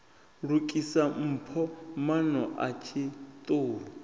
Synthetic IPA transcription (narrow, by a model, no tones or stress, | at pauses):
ɺukʼisam̩ːpʰɔmanɔʔat͡ʃʰit̪ʼoːlɔ